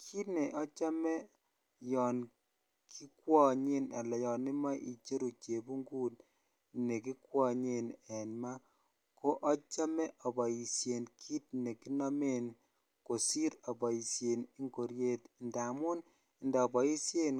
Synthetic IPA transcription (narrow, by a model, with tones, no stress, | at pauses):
kʰi˦tne˨ʔɔ˦t͡ʃa˦mɛ˦ | jɔː˨n | kʰi˦kwɔ˦ɲe˦na̰˨lɛ˨jɔ˨ni˦ma˦ʔi˨t͡ʃe˦ɾu˨t͡ʃe˨bu˦ŋɡuː˦t | ne˨ki˦kwɔ˦ɲe˨nɛ˨nma˦ | ko˦ʔɔ˦t͡ʃa˦mɛ˦ʔɔ˨bɔ˨i˨sje˨nkʰi˦t̚ne˨ki˦na˦me˦n | ko˨si˦ɾɔ˨bɔ˨i˨sje˨ni˦ŋɡo˨ɾje˦tnda˨mu˦n | ndaː˨bɔ˨i˦sje˦n